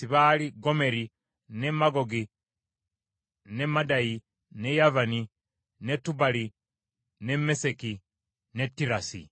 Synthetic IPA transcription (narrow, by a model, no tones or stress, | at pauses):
siβaliɡomeɾi | nemaɡoɡi | nemadaji | nejavani | netːubali | nemeseki | netːiɾasḭ